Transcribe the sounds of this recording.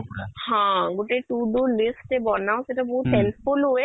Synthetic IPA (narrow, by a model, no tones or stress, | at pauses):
hãɡoʈeʈuɖulisʈebɔnãseʈabɔɦut̪senfulɦoe